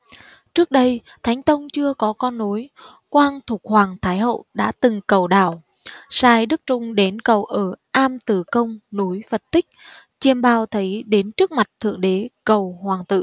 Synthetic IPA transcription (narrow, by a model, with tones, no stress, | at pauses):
t͡ɕɨ˦˥ək̚ɗə˧j | t̪ʰa˨˦jŋ̟t̪ə˧wŋ͡mt͡ɕɨ˧əkɔ˨˦kɔ˧nːu˨˦j | kwaː˧nt̪ʰʊ˨˩k͡p̚hwaː˨˩ŋt̪ʰaː˨˦jɦo̰˧˨ɗa̰ː˧˥t̪ɨ˨˩ŋkə˨˩wɗaː˨˩w | saː˧jɗɨ˦˥k̚t͡ɕʊ˧ŋ͡mɗe˨˦nkə˨˩wʔəː˧˩ʔaː˧mt̪ɨ˧˨˩kə˧wŋ͡mnu˨˦jfə˨˩t̚t̪ï˦˥k̟̚ | t͡ɕe˧mɓaː˧wt̪ʰə˨˦jɗe˨˦nt͡ɕɨ˦˥ək̚ma˨˩k̚t̪ʰɨ̰˧˨əŋɗe˨˦kə˨˩whwaː˨˩ŋt̪ɨ̰˧˨